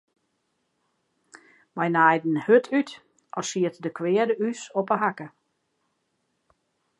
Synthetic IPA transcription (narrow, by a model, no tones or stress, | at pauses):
majnajdn̩høtʰyt | ʔɔsiətdəkʰwɪədəysopəɦakə